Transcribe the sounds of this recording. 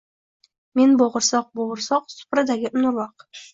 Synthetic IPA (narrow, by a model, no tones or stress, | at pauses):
menboʁə̆ɾsɑq̚boʁəɾsɑq̚sʊ̥pɾad̪aɡʲɪʔʊnʊɾwɑq